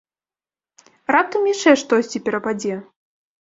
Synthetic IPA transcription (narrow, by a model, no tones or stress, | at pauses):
rat̪ɐmjit͡ʂɛʂt̪ɔsʲt͡sʲipʲɛɾɐpad͡zʲɛ